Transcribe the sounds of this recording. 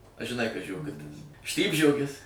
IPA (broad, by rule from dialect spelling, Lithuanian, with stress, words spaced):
ɐ ʒʲɪˈnɐɪ kɐs ʒʲoːˈɡʊtʲɪs ˈʃʲtʲiːbʲʒʲoːɡʲɪs